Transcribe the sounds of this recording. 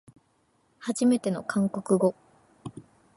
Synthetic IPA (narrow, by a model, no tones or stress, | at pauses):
haʑime̞t̪e̞no̞kʰãŋko̞kɯ̟ɡo̞